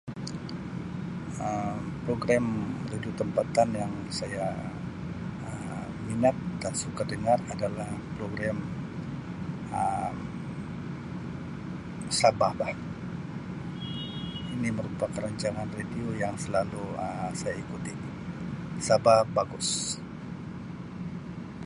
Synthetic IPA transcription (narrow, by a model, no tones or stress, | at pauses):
əmpɾoɡɾamrediot̪əmpat̪anjaŋ | saja | ə | minat̪̚dansukadəŋaradalahpɾoɡɾam | ə | sabahbah | iniməɾupakəɾaɲt͡ʃaŋanrediojaŋsəlaluəsajaikut̪i | sabahbaɡʊs